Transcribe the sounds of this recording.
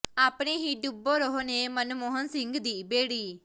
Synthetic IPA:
aːpɽ̃eɦiɖubːoɾɔɦnemənmɔɦənsɪ̃ŋɡd̪iːbeːɽiː

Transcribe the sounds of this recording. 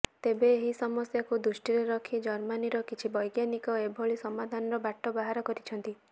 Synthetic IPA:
t̪ebeːɦisɔmɔsjakud̪ɾusʈiɾeɾɔkʰid͡ʒɔɾmaniɾɔkit͡ʃʰibɔjɡjanikɔebʱoɭisɔmad̪ʱanɔɾɔbaʈːɔbaɦaɾɔkɔɾit͡ʃʰɔnt̪i

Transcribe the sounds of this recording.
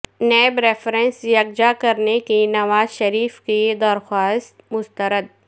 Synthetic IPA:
nɛːbɾɛːfɾɛ̃nsjɐɡ̚d͡ʒakɐɾnekinɐʋaːzʃɐɾiːfkid̪ɐɾxaːst̪mʊst̪əɾəd̪̚

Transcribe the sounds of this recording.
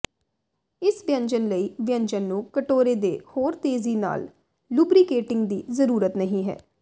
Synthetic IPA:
ɪsʋɪjə̃ɲd͡ʒənləiːʋjə̃ɲd͡ʒənːũːkəʈoːɾeːd̪eːhoːɾt̪eːziːna̰ːl | lubɾiːkeːʈɪ̃ŋɡd̪iːzəɾuːɾət̪nəɦĩːɦɛ̰ː

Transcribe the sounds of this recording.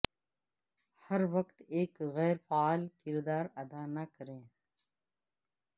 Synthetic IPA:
hɐɾʋəkt̪eːkɣɛːɾfaaːlkɪɾd̪aːɾɐd̪aːnɐkəɾẽː

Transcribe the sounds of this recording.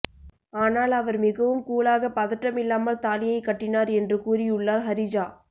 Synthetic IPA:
aːnaːlɐʋɐɾmɪɣɐʋɯmkuːɭaːɣɐpɐðɐʈːɐmɪlːaːmɐlt̪aːlɪjɐɪkːɐʈːɪnaːɾɛndrɯkuːrɪʊɭːaːɾɦɐɾɪd͡ʒaː

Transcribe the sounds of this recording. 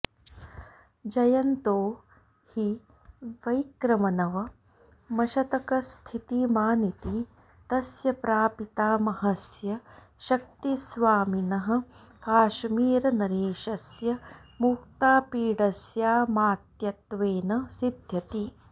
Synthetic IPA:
d͡ʒɐjɐnt̪oː | hi | ʋɐjkɾɐmɐnɐʋɐ | mɐʃɐt̪ɐkɐst̪ʰit̪imaːnit̪i | t̪ɐsjɐpɾaːpit̪aːmɐɦɐsjɐ | ʃɐk̚t̪isʋaːminɐɦɐ̆ | kaːʃmiːɾɐnɐɾeːʃɐsjɐmukt̪aːpiːɽɐsjaːmaːt̪jɐt̪ʋeːnɐsid̪ʱjɐt̪i

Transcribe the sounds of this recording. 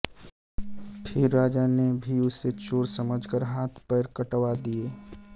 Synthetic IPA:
pʰɪɾːaːd͡ʒanebʱiʊsːet͡ʃoːɾsəməd͡ʒkəɾɦaːt̪ʰpəɾkəʈʋad̪ieː

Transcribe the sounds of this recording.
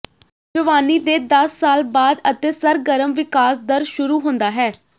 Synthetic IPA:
d͡ʒəʋaːniːd̪eːd̪əsːaːlbaːd̪ət̪eːsəɾɡəɾəmʋɪkaːsd̪əɾʃʊɾuːɦʊ̃nd̪aːɦɛː

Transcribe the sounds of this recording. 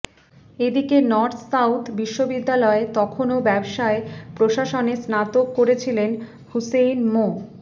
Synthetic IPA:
ed̪ikenɔɾt̪ʰsawt̪ʰbiʃːobid̪ːalɔet̪ɔkʰonobɛbʃaepɾoʃaʃonesnat̪okːoɾet͡ɕʰilen | husejnmo

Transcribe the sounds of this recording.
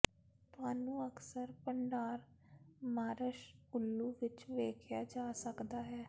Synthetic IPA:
t̪ʊaːnũːəksəɾpəɳɖaːɾmaːɾəʃʊlːuːʋɪt͡ʃʋeːkʰjaːd͡ʒaːsəkd̪aːɦɛː

